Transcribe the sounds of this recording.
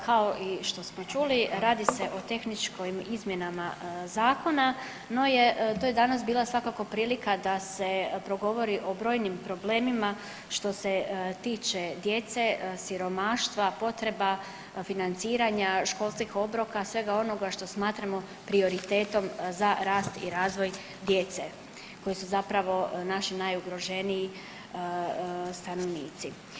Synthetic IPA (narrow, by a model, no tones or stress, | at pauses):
kʰao̞ʔiʃt̪o̞smo̞t͡ʃuːliɾaːd̪ise̞ʔo̞t̪e̞xnit͡ʃkoimizmjenamazaːko̞na | no̞jet̪oje̞d̪anasbiːlˠasʋakako̞pɾiːlikad̪ase̞pɾo̞ɡo̞ʋo̞ɾiʔo̞bɾo̞ːjnimpɾo̞ble̞ːmima | ʃt̪o̞se̞t̪iːt͡ʃe̞d̪je̞t̪se̞siɾo̞maːʃt̪ʋapo̞t̪ɾe̞ba | finant̪siːɾaɲaʃko̞lˠskixo̞bɾokasʋe̞ɡao̞no̞ɡaʃt̪o̞smaːt̪ɾamo̞ | pɾio̞ɾit̪e̞ːt̪o̞mzaɾaːst̪ḭɾaːzʋo̞j | d̪je̞t̪se | ko̞jisuzapɾaʋo̞naʃinajuɡɾo̞ʒe̞nii | st̪ano̞ʋniːt̪si